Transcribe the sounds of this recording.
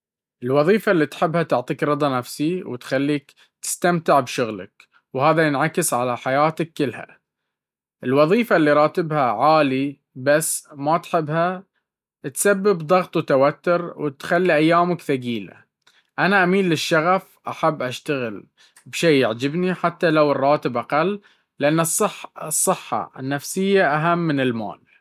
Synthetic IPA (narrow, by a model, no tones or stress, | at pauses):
ʔɪlwɑðˤiːfalːiːt̪ħɪbːhat̪ʊʕt̪ˤiːkɾɨd̪ˤɑnafsiwt̪xalːiːk | t̪ɪ̥st̪amt̪ɪʕbʃʊɣla̰k | whaːðajɪnʕakɪsʕalaħajaːt̪akːɪlha̰ | ʔɪlwɑðˤiːfalːiɾˤɑːt̪ɪbhaʕaːli | basːmat̪ħɪbːha | t̪sabːɪbd̪ˤɑɣt̪ˤwt̪awat̪ːʊɾwɪt̪xalːiʔajːaːmakθaɡiːla̰ | ʔanaʔamiːnlɪʃːaɣaf | ʔaħabːʔaʃt̪aɣɪl | bʃeːjɪʕd͡ʒɪbniħat̪ːalawɨrˤːɑːt̪ɪbʔaqalː | ɪʔanːɨsˤːɨħsˤːɨħːɑ̰ɪ̰nːafsɪjːaʔaɦamːɪnɪlma̰ːl